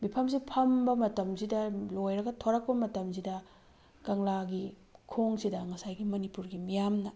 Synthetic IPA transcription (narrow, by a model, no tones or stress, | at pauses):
mipʰɐmsipʰɐmbɐmɐtɐmzidɐlojɾɐɡɐtʰoɾɐk̚pɐmɐtɐmsidɐ | ɡɐŋlaɡi | kʰoŋsidɐŋɐsajɡimɐnipuɾɡimijamnɐ